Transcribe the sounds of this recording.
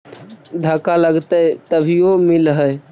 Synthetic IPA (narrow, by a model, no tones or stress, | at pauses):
d̪ʱəkaləɡt̪ət̪əbʱijomilɦəj